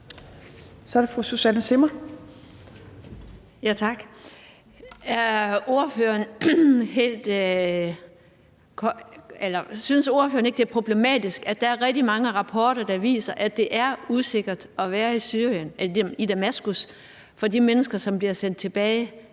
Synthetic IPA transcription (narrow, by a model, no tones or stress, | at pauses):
sɒɐɾefʁususænəse̝mɐ | jæt͡sʰɑ̈ɡ̥ | o̝ɐføːɐnhe̝̰ːld̥ | kʰelɐsynso̝ɐfø̰ːɐneɡ̥̚d̥e̝æɐpʰʁo̝b̥le̝mɛ̰ːd̥isɡ̥æd̥æ̈æɐʁɛɡ̥̚d̥imɑ̈ŋəʁɑ̈pʰɒːɾ̥ɐd̥ɑ̈ʋḭːsɐʔæd̥e̝ʔæɐuse̝ɡ̥ɐd̥ɒ̽ʋæːɐisyɐ̰jənʔelid̥æmæsɡ̥us | fɒ̽dimenəsɡ̥ɐsɒ̽mb̥liɐsen̰d̥̚t͡sʰe̝b̥ɛːɪ